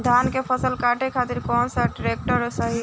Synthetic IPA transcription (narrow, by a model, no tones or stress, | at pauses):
d̪ʱankepʰəsəlkaʈekʰat̪iɾkɔnsəɖɾek̚ʈəɾsəɦi